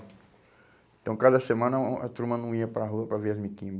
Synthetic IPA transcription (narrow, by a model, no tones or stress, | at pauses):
ẽt̪ɐ̃w̃kad̪ɐsemɐ̃nɐɐ̰t̪ɾumɐnɐ̃w̃iɐpɾaɦuɐpɾɐveɾɐzmikĩ